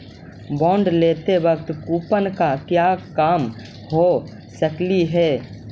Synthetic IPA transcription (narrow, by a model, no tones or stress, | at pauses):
bɔ̃ːɳɖleːt̪ebəɡt̪kuːpənkakjaːkaːm | ho | səkliɦɛː